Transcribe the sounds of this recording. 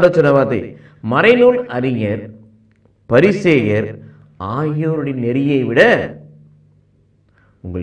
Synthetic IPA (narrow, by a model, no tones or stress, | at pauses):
ɽɐt͡ʃːɐnɐʋaːt̪ɐ̰ɪ | mɐɾɐɪnunɐɾɪŋɐɾ | pɐɾɪsejɐɾ | aːjoːɾɯɽɪnːɛɾɪjɐɪʋɪɽɐ | ʊŋɡɐɭ